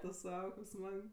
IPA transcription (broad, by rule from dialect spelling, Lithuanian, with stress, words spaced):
tʊ ˈsɐʊ kɐɪp ˈsmɐk